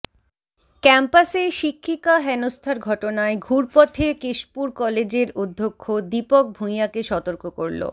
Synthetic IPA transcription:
kɛmpaseʃikʰːikaɦɛnost̪ʰaɾɡʱɔʈonaeɡʱuɾpɔt̪ʰekeʃpuɾkɔled͡ʑeɾod̪ʱːokʰːod̪ipok̚bʱumjakeʃɔt̪oɾkoko̰ɾlo̰

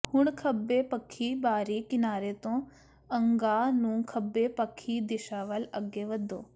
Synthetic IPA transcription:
hʊɳkʰəbːeːpəkʰːiːbaːɾiːkɪnaːɾeːt̪õː | ɐŋɡaːnũːkʰəbːeːpəkʰːiːd̪ɪʃaːʋələɡeːʋəd̪ːo̰ː

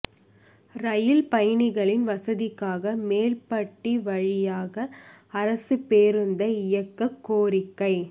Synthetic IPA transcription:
ɾɐjɪlpɐjɐɳɪɣɐɭɪnʋɐsɐðɪkːaːɣɐmeːlpɐʈːiʋɐɻɪjaːɣɐɐɾɐsɯpeːɾɯnd̪ɐɪjɐkːɐkːoːɾɪkːɐɪ

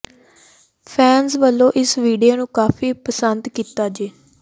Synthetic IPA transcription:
pʰɛːnzʋəlːõːʔɪsʋiːɖijaːnũːkaːfiːpəsənd̪kiːt̪aːd͡ʒeː

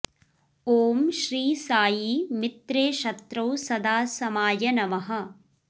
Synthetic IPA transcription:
oːmʃɾiːsaːjimit̪ɾeːʃɐt̪ɾɐwsɐd̪aːsɐmaːjɐnɐʋɐɦɐ̆

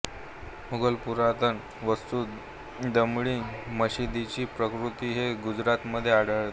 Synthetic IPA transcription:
muɡəlpuɾat̪ən | ʋəst̪uː | d̪əmɭiːməɕid̪it͡ɕiːpɾəkɾut̪iːɦeɡud͡zɾat̪məd̪ʱːjeaɽəɭt̪

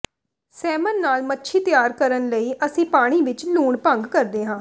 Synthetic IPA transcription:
sɛːmənːaːlmətːʃʰiːt̪ɪjaːɾkəɾənləiːʔəsĩːpaːɽ̃iːʋɪt͡ʃluːɳpə̃ŋɡkəɾd̪eːɦãː

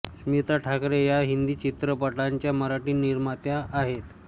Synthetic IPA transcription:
smit̪aʈʰakɾejaɦind̪iːt͡ɕit̪ɾəpəʈlaɲt͡ɕjaməɾaʈiːniɾmat̪jaʔːɦet̪

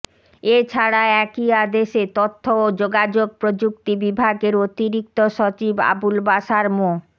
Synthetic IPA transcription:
et͡ɕʰaɽaɛkiad̪eʃet̪ot̪ʰːood͡ʑoɡad͡ʑoɡ̚pɾod͡ʑuk̚t̪ibibʱaɡeɾot̪iɾik̚t̪oʃot͡ɕiba̰bulbaʃaɾmo

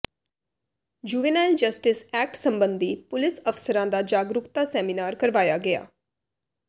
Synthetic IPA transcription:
d͡ʒuːʋeːnaːɪld͡ʒəsʈɪsɛːk̚ʈsəmbənd̪iːpʊlɪsəfʰsəɾãːd̪aːd͡ʒaːɡɾʊkt̪aːsɛːminaːɾkəɾʋaːjaːɡɪa̰ː

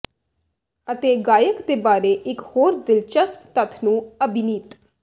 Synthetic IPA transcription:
ət̪eːɡaːjəkd̪eːbaːɾeːʔɪkhoːɾd̪ɪlt͡ʃəskt̪ət̪ʰnũːəbɪniːt̪

